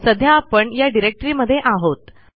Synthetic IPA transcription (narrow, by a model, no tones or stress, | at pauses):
səd̪ʱjaːpəɳjaɖiɾek̚ʈɾiməd̪ʱːjeʔaɦot̪